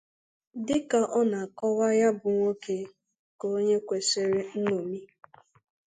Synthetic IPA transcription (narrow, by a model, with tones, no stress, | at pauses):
dɪ˦ka˨ʔɔ˦na˨kɔ˦ɣa˦ja˦bʊ˨ŋʷo˦ke˨ | ko˦ɲe˦kʷe˨se˨ɾe˦n̩˦no˨mi˦